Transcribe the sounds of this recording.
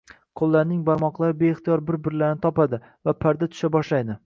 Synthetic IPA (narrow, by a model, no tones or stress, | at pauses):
qʰolˠːaɾnɪŋbaɾmɒqlˠaɾɪbeɪχt̪ijɒɾbɪɾbɪɾlaɾnɪt̪ʰɒpad̪ɪ | vapʰaɾd̪at̪ʰʊ̥ʃabɒʃlajd̪ɪ